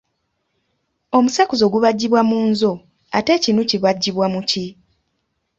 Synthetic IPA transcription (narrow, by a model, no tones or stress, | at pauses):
o̞musakuzo̞ɡuβaɟːiβwamuːnzo̞ | ate̞cinuciβaɟːiβwamuci